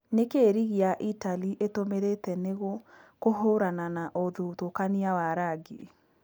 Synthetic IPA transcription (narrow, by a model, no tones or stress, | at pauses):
nekeːɾiɣiaʔitaliʔetomeɾetɛneɣokoɦoɾananaʔoðutokaniawaɾaɡi